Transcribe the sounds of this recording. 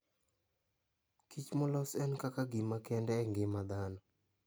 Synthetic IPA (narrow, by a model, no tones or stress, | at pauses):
kit͡ʃmɔlɔsɛnkakaɡɪmakɛndɛːŋɡɪmad̪anɔ